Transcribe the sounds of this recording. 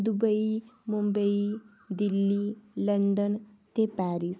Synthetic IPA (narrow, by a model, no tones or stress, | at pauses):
d̪ubəimumbəi | d̪ilːiləɳɖən | t̪epaɾis